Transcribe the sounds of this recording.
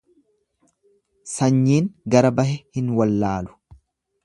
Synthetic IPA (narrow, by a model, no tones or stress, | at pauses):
sɐɲːiːŋɡɐɾɐbɐɦɛhɪnwɐlːaːlʊ̥